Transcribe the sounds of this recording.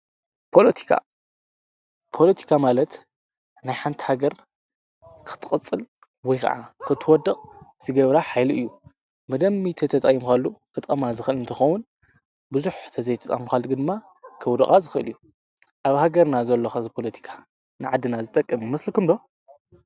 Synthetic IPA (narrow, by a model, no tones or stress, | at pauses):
pʰo̞lɐt̪ʰi̥kʰa̰ | pʰo̞lɐt̪ʰi̥kʰamalɐt̪ | najħant̪ʰi̥haɡɐɾ | kɨ̥t̪ʰʼɨχʼɨt͡sʼːɨl | wɔjkʰɐ̰ʕa̰kʰɨt̪ʰɨwɔd̪ɐkʼz̥ɨɡɐβɾaħajlɨjːu | mɐd̪ɐmːit̪ʰɐt̪ʰɐt̪ʼɐjimxalːukʰɨt̪ʼɐmazɨxɨlɨnt̪ʰɐxɐwʊn | bɨzuħt̪ʰɐzɐjt̪ʰɐt̪ʼa̰muxalːuɡɨd̪ɨmːa | kʰɐwd̪ɐxʼazɨxɨɨ̰lju | ʔaβhaɡɐɾnazɐlːoxɐzɨpʰo̞lɐt̪ʰi̥kʰḁ | nɨʕad̪ːɨnazɨt̪ʼɐkʼːɐmimɐslɨkɨmbɐ